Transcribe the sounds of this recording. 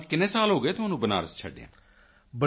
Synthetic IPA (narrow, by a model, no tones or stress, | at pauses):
kɪnẽːsaːlɦoːɡəeːt̪omənũːbəna̰ːɾəst͡ʃʰəɖã̰ː | bə